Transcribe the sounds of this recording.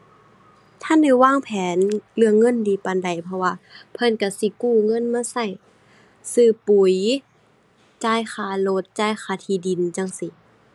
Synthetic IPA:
t̪ʰa˧˥˨nda˧˩jwaː˧˥˨ŋpʰɛː˨˦nlɯ˧əŋːɤ˧˥˨ndiː˨˦pa˨nda˨˩jpʰɔ˧waː˧pʰɤ˧˥˨nka˧˩si˧˦kuː˧˩ŋɤ˧˥˨nmaː˧˥˨sa˧˥˩j | sɯː˧˩pu˨˩j | t͡ɕaː˧˩˨jxaː˧˩lo˧˦t̪̚t͡ɕaː˧˥˨jxʰaː˧˩t̪ʰiː˧di˨nt͡ɕa˧˨ŋsi˧˦

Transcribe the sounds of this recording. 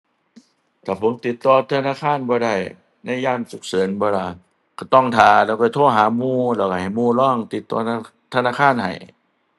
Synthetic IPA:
t̪ʰaː˨˩pʰo˨˦mt̪i˨˦t̪ːɔː˧t̪ʰa˧naː˧˥˨kʰaː˧˥˨nbɔː˧˦ɾa˧˩j | na˧˥˨jːaː˧˥˩nsu˨˦k̚sɤː˨˦nbɔː˧˦laː˧˩ | ka˧˩t̪ɔ˧˩˨ŋt̪ʰaː˨˩lɛː˧˩wkaː˧˩t̪ʰoː˧˥˩ɦaː˨˦muː˧˩lɛː˧˩wka˧˩ha˨˩jmuː˧˨lɔː˧˥˩ŋt̪i˨˦t̪ːɔ̰ː˧˦˧ | t̪ʰa˧naː˧˥˨kʰaː˧˥˨nha̰˨˩j

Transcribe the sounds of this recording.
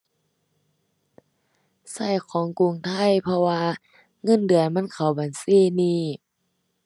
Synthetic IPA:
sa˧˥˩jkʰɔː˨˦ŋku˧˨ŋt̪ʰa˧˥˩jpʰɔ˧waː˧ | ŋɤ˧˥˨ndɯ˨˩˨əjma˧˥˨nkʰa˨˩wbaː˨nsiː˧˥˨niː˧˩˨

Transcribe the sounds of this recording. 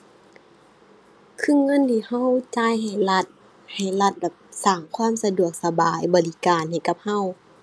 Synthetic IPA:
kʰɯ˧˥˨ŋɤ˧˥˨nt̪ʰiː˧˩ha˧˥˨wt͡ɕaː˧˥˨jha˨˩jla˧˩t̪̚ | ha˨˩jla˧t̪̚ba˨˩p̚saː˨˩ŋkʰwaː˧˥˨msa˧du˨˩ək̚sa˧baː˨˩jbɔː˨˩li˧˥kaː˨nha˨˩jka˧˦p̚ha˧˥˨w

